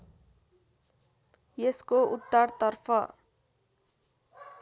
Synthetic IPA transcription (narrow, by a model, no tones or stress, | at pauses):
jeskout̪ːʌrt̪ʌrpʰʌ